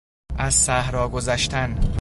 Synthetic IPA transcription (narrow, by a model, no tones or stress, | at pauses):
ʔæzsæhɾɒːɡozæʃt̪ʰæn